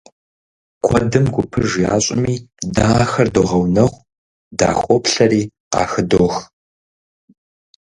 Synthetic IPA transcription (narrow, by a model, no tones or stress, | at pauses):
kʷʰɔdɨmɡʷʊpʰɨʒja̰ːɕʼɪmiːdaːxɐrdoʁɐwnɐʁʷ | da̰ːxʷʼɔpɬɐɾiːqɑ̰ːxɨdoːx